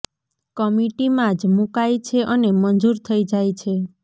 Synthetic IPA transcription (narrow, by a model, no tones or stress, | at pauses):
kəmiʈimãd͡ʒmukajt͡ʃʰeʔənemənd͡ʒuɾt̪ʰəid͡ʒajt͡ʃʰe